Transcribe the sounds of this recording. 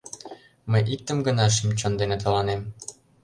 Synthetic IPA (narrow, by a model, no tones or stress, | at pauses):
məjʔik̚t̪əmɡə̆nɑʃ̬imt͡ɕond̪enet̪̬olɑnem